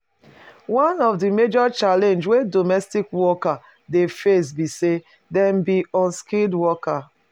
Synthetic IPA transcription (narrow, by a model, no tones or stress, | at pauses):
wãnɔvdimed͡ʒɔt͡ʃalẽnd͡ʒwedomɛstikwɔka | defes̬bise | dɛ̃mbiɔ̃nskildwɔka